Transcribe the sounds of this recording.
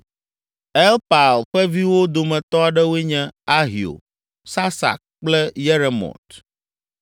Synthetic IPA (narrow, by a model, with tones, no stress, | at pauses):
ɛ˦lpa˨lɸɛ˦vi˦wo˦d̪o˨mɛ̃˨t̪ɔ˦a˨ɖɛ˦wo˦e˦ɲɛ̃˦a˦ɦi˨o̰˨ | sa˦sa̰˨k̚k͡plɛ˦jɛ˦ɾe˨mɔ̰̃˨t̪